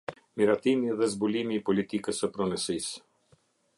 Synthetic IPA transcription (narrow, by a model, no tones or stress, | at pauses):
miɾat̪imiðɛzbulimiːpɔlit̪ikəsəpɾɔnəsis